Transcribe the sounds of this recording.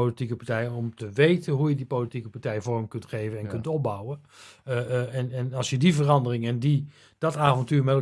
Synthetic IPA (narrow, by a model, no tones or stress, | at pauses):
olitikəpɹtɛjənɔmtəʋejtənɦujədipolitikəpaɹtɛjvɔɹəmkɵntχejvənɛnkɵntɔp̚bʌwən | ɛnɛnɑlˠsjədivərɑndərɪŋəndi | d̥ɑtaːvɔntyːɹmɛtl